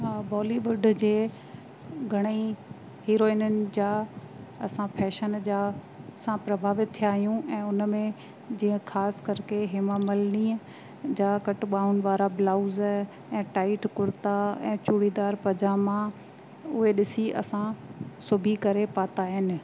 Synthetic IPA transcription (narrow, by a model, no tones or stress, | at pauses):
ɦaːbɔːliʋʊɖd͡ʑeː | ɡʱɐɽ̃i | ɦiːɾoːɪnənɪ̆d͡ʑaː | ɐsãpʰɛːʃənd͡ʑaː | sãpɾɐbʱaːʋɪt̪̚t̪ʰːijaːɦijũʔɛ̃ːʊnmẽ | d͡ʑiːə̃xʰaːskɐɾkʰeɦɪmamɐlniːə | d͡ʑaːkɐʈɓaːʊnɪ̆ʋaːɾablaːʊz | ɛ̃ːʈaːɪʈkʊɾt̪aɛ̃ːt͡ɕuːɽid̪aːɾpɐd͡ʑamã | ʊɦeɗɪsiʔɐ̰sãsʊbʱikɐɾepaːt̪aːɦɪnɪ̆